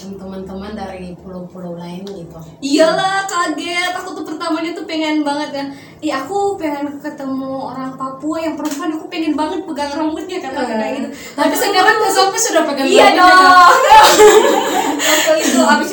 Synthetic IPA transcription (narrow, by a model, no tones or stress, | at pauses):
imt̪əmant̪əmandaɾipulowpulowlaɪnɡit̪uijalahkaladiat̪at̪ut̪upərt̪amaɲat̪upeŋɛnbaŋət̪̚ɡan | ɛakupeŋɛnkət̪əmuoɾaŋpapuajaŋpəɾəmpuɦanakupeŋɛnbaŋət̪̚pəɡaŋɾaŋut̪̚ɲakəaɡaait̪u | t̪apisənaɾanmazakisudapaɡanijadɔ | at̪oit̪abi